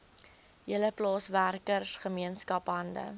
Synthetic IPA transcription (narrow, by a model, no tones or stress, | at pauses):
jələplɑːsværkərsχəmiənskɐpɦɐndə̰